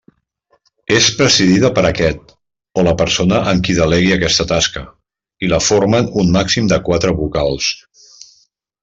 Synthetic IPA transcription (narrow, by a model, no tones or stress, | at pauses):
espɾəziðiðəpəɾəkɛt̪̚ | oləpəɾsonəʔəŋkiðəleɣiəkɛst̪ət̪askə | iləfoɾmənunmaksimd̪əkwat̪ɾəβukalˠs